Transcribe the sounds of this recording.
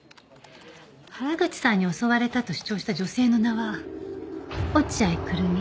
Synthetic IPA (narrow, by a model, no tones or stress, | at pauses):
haɾaɡɯ̟t͡ɕi̥sãɲ̟ːio̞so̞βaɾe̞t̪at̪o̞ɕɨ̥t͡ɕo̞ːɕi̥t̪ad͡ʑo̞se̞ːno̞naβa | ot͡ɕiaikɯ̟ɾɯmi